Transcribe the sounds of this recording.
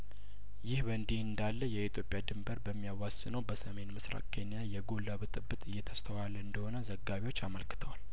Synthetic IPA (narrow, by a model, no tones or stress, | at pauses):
jɪhbənd̪ihɨnd̪alːəjɛit̪ʰjo̞pʼjad̪ɨmbəɾbəmːijawasɨnəwbəsəme̞nmɨsɾa̰kʰe̞nijajɛɡolːaβɨt̪ʼɨbːɨt̪ʼɨjːɛt̪ʰə̥st̪ʰəwalːəɨnd̪əho̞nəzəɡːaβiwo̞t͡ʃːaməlkɨ̥t̪ʰəwal